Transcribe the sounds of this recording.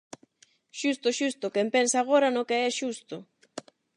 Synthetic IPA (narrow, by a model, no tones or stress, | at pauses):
ʃust̪ʊʃust̪ʊkempensaːɣ̞oɾanʊkeɛʃust̪ʊ